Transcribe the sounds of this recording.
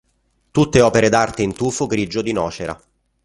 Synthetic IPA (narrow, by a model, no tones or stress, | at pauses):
t̪ut̪ːeɔːpeɾed̪art̪eint̪uːfoɡɾid͡ʒod̪inɔːt͡ʃeɾʔa̰